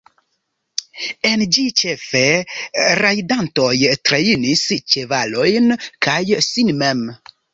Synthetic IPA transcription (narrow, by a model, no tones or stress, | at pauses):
e̞nd͡ʒit͡ʃe̞fe̞ | ɾajdanto̞jtɾeinist͡ʃe̞valo̞jnkʰajsinmem